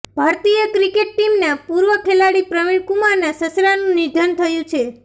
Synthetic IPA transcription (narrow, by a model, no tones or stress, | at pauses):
bʱaɾt̪ijəkɾikeʈʈimnapuɾʋəkʰelaɽipɾəmiɭkumaɾnasəsɾanũnid͡ʒ̪ʱənt̪ʰəjũt͡ʃʰe